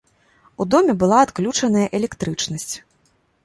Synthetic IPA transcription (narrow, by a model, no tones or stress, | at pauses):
ud̪ɔmʲɛbɨlˠaːt̪klʲut͡ʂɐnɐjɐʔɛlʲɛkt̪ɾɨt͡ʂnɐsʲt͡sʲ